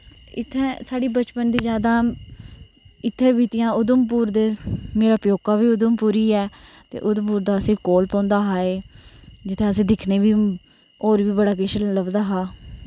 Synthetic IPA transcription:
ɪ̰t̪ʰːɛ̃ːsaːɖiːbət͡ʃpənd̪iːzd͡ʒjaːd̪ãː | ɪt̪ʰːẽːʋiːt̪ɪjãːʊd̪əmpuːɾd̪eːmeːɾaːpjoːkaːʋiːʊd̪əmpuːɾiːɛː | t̪ḛːʔʊd̪mpuːɾd̪aːəsĩːkoːlpãːnd̪aːɦaːeːd͡ʒɪt̪ʰẽːəs̬ĩːd̪ɪkʰneːʋiː | oːɾʋiːbəɽaːk̬ɪʃələbd̪aːɦaː

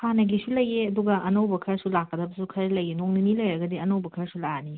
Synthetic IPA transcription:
hanɐɡisulɐjeɐduɡɐʔɐnowbɐkʰɐɾsulakːɐdɐbɐsukʰɐɾlɐjenoŋninilɐjɾɐɡɐdiɐnowbɐkʰɐɾsulani

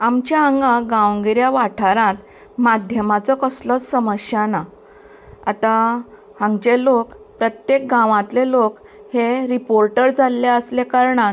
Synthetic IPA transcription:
amt͡ɕjaaŋɡaɡãʋəŋɡiɾjaʋaʈʰaɾãt̪ | mad̪ʱjəmat͡sɔkəslɔt͡ssəməɕjana | at̪a | hãŋɡd͡ʑelokpɾət̪jek̚ɡãʋãt̪lelok | heɾipoɾʈəɾd͡zalːeəslekaɾɳa

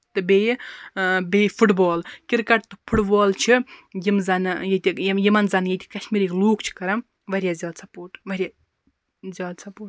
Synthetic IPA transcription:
t̪ɨbeji | befʰuʈbɔːlkʲiɾkɐʈ̚t̪ɨpʰuʈbɔːlt͡ʃʰijimzɐnjet̪ʲijimɐnzɐnjet̪ʰʲi̥kɐʃmiɾikloːkt͡ʃʰi̥kɐɾɐm | ʋɐɾʲjazjɔːd̪sʰɐpoːʈʋɐɾʲja | zʲjɔːd̪sɐpoːʈ

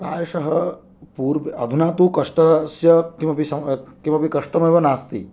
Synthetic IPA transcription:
ɾa̰ːjɐʂɐɦɐ | puːɾʋeɐd̪ʱunaːt̪ukɐʂʈɐsjɐkimɐpisɐmkimɐpikɐʂʈɐmɐjʋɐnaːst̪ḭ

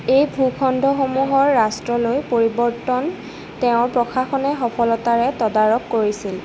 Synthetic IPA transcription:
ejbʱukʰɔndʱɔxomuɦɔɹːastɹɔlojpoɹibɔɹtɔn | tɛʊ̃ɹpɹɔkʰaxɔnɛxɔpʰɔlɔtaɹɛtɔdaɹɔkːoɹisil

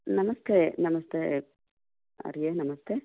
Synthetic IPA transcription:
nɐmɐst̪enɐmɐst̪e | ɐ̰ɾijenɐmɐst̪e

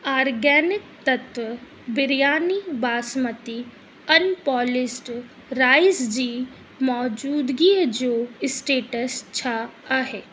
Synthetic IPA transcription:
aːɾɡɛːnɪk̚t̪ɐt̪ʋə | bɪɾjaːnibaːsmət̪i | ɐnpɔːlɪsʈ | ɾaːɪsd͡ʑiː | mɔːd͡ʒuːd̪ɡid͡ʑoːɪsʈeːʈəst͡ɕʰaaːɦeː

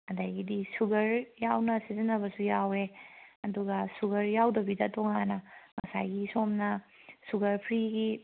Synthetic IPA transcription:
ɐdajɡidisuɡɐɾjawnɐsizɐnɐbɐsujaweɐduɡɐsuɡɐɾjawdɐbidɐtoŋanɐŋɐsa̰jɡisomnɐsuɡɐɾpʰɾiɡi

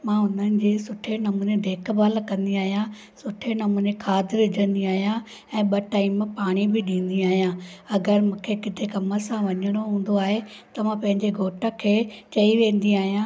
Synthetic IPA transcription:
mãːʊn̤ənɪ̆d͡ʑeːsʊʈʰenɐmuːned̪ʱeːkʰbəlkɐ̃nd̪iaːɦijã | sʊʈʰenɐmuːnẽkʰaːd̪ɪɾɪd͡ʑə̃nd̪iaːɦijã | ɛ̃ːɓɐʈaːɪmpaːɽ̃ibɪɗĩːn̆d̪iaːɦijãːɐɡəɾmũːkʰekɪt̪ʰekɐməsãʋɐɲəɽ̃oɦũːn̆d̪oaːɦet̪ɐmãpɐ̃ɦɪ̃ɲd͡ʑeɡʱoːʈʰəkʰeːt͡ɕɐiʋẽːn̆d̪iaːɦijãː

